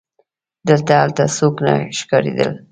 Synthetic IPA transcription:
d̪əlt̪aalt̪asokna̰ʃkɑɾḛd̪ə̰l

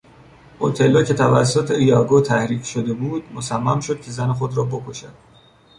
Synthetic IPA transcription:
ot̪ʰe̞lːɒːcʰe̞t̪ʰævæ̰s̬ːot̪ʰeijɒːɡot̪ʰæhɾiːcʰʃod̪e̞buːd̪̥̚mosæmːæmʃo̞d̪̥̚cʰe̞zænexod̪ɾɒːbo̞kʰoʃæd̪̥

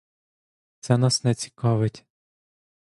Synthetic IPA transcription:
t̪sɛnɑsnɛt͡sʲi̥kɑʋɪtʲ

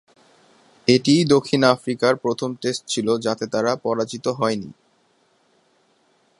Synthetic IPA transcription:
eʈijd̪okʰːinafɾikaɾpɾot̪ʰomʈesʈ̚t͡ɕʰilod͡ʑat̪et̪aɾapɔɾad͡ʑit̪oɦɔenḭ

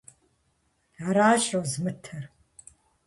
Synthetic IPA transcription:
aɾaːʃɐwzmɨtʰɐr

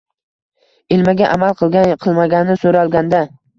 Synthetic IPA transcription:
elmaɡʲaʔamalˠqʰɨlˠɡʲaqʰɨlˠmaɡʲanɪsoɾaɒlˠɡʲand̪a

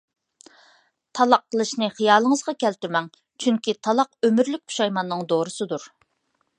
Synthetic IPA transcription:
t̪ʰɑlˠɑqʰːəlˠɨʃnɨχijɑːlˠəŋəzʁɑkʲɛlt̪yɾmɛŋ | t͡ʃʰyŋkʲit̪ʰɑlˠɑqømyɾlyk̚ʲkʰu̥ʃɑjmɑnːɨŋd̪oɾɨsɨd̪uɾ

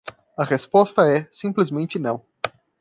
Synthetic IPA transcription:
ɐʁespɔst̪ɐɛsĩplizmẽnt͡ʃɪnɐ̰̃w̃

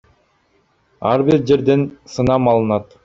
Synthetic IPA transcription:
ɑ̰ɾbiɾd͡ʒe̞ɾd̪e̞nsɯnɑmɑlˠɯnɑt̪

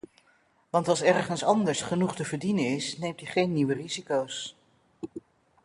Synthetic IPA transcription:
ʋɑntɑlˠsɛɹχənsɑndəɹsχənuχtəvəɹdinənɪsnejmtəχejnːiʋərizikows

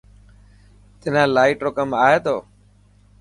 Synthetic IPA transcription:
t̪ɪnãːlaːiːʈoːkəmaːɦeːt̪oː

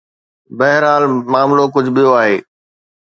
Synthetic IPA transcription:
bɐɦɪɾɦaːlmaːmlok̬ʊd͡ʑʱɓijoaːɦeː

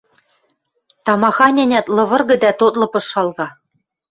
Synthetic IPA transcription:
t̪ɑmɑxɑnʲænʲæt̪lˠɤ̆βɤ̆rɣɤ̆d̪æt̪ot̪lˠɤ̆pɤ̆ʃːɑlˠɣɑ

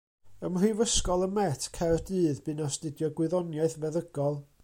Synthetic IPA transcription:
əmrivəskɔlˠəmɛtʰkʰɛrdɨːðbɨnastɪdjɔɡwɪðɔnjaɨθmɛðəɡ̥ɔlˠ

